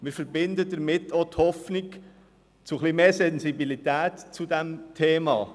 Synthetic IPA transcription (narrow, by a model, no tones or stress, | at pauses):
mɪːɾfəɾbɪnd̪ədəɾmɪtʰːot̪hɔfnik | t͡suχlimeːsɛnsibilit̪æːtt͡sudæmt̪ʰeːmɑ̰ː